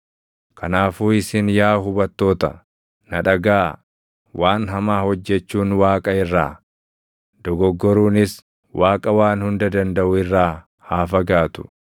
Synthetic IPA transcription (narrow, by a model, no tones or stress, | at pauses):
kɐnaːfuːɪsɪnjaːɦʊbɐt̪ːo̞ːt̪ɐ̰ | nɐᶑɐɡaː | wʔaːnɦɐmaːhɔd͡ʒːɛt͡ʃːuːnwaːkʼɐɪrːaː | d̪̥ɔɡɔɡːɔɾuːnɪs | wʔaːkʼɐwaːnhʊnd̪ɐd̪ɐnd̪ɐʔʊɪrːaː | haːfɐɡaːt̪ʊ̥̰